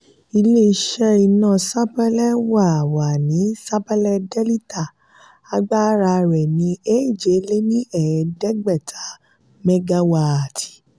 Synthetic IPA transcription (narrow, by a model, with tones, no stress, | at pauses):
i˧le˦i˧ʃɛ˦i˧nãː˦˨sa˦pɛ˦lɛ˦wa˦˨wa˨nĩ˨˦sa˦pɛ˦lɛ˧dɛ˦li˦ta˦˨ | a˧ɡ͡ba˦ɾa˧ɾɛ˨nĩ˨˦e˦˨d͡ʒe˨˦le˦nĩ˦ɛ˨ɛ˨˧dɛ˦ɡ͡bɛ˦˨tʰa˨˦ | mɛ˦ɡa˧wa˧˨a˨tʰi̥˨